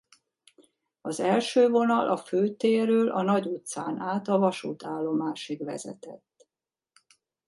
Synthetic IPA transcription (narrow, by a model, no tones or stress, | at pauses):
ɒzɛlʃøːvo̞nɒlʔɒføːt̪eːrøːlʔɒnɒɟut̪saːnaːt̪ɒvɒʃṵːt̪aːlːo̞maːʃiɡʋɛ̰zɛ̰t̪ɛ̰t̪ː